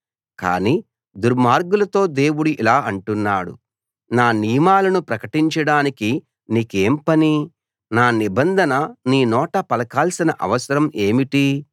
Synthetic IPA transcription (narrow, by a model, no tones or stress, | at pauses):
ka̰ːni | d̪uɾmaːɾɡulɐt̪o̞ːd̪e̞ːwuɽuʔilaːɐɳʈunːaːɽṵ | naːnijɐmaːlɐnupɾɐkɐʈiɲt͡ʃɐɽaːniki | niːkeːmpɐni | naːnibɐnd̪ʱɐnɐniːnɔːʈɐpɐlɐkaːlsinɐʔɐ̰ʋɐsɐɾɐmʔe̞ːmiʈi